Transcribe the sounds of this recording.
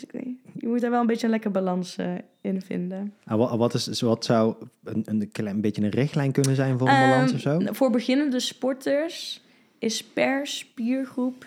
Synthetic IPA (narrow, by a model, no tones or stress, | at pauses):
kḭjəmut̚daːɹʋɛlˠəmbejt͡ʃənlɛkərbalɑns | ɪnvɪ̰ndəaʋɑtɪsʋɑtsɑwənənkɛbejcəənrɪxtlɛjnkɵnənzɛjnvʊːrəbalɑnsɔfsowvʊːɹbəɣɪnəndəspɔɹtəɹs | ɪspɛɹspiːɹχrup